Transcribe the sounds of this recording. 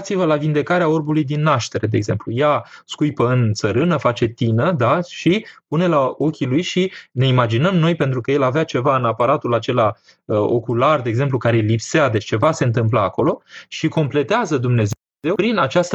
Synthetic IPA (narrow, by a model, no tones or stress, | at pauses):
t̪sivəlavind̪e̞kaɾeao̞rbulujd̪inːaʃt̪e̞ɾe̞d̪eːɡze̞̰mplujaskujpəɨnt̪səɾɨnəfat͡ʃe̞t̪inəd̪aʃipune̞lao̞kʲilujʃine̞imad͡ʒinəmno̞jpe̞nt̪ɾukəje̞laveat͡ʃe̞vaɨnapaɾat̪ulat͡ʃe̞la | əo̞̰kulard̪eːɡze̞mplukaɾelipsead̪e̞t͡ʃt͡ʃe̞vase̞ɨnt̪ɨmp̬laːko̞lo̞ʃiko̞mple̞t̪eazəd̪umne̞z | zewpɾinat͡ʃast̪ə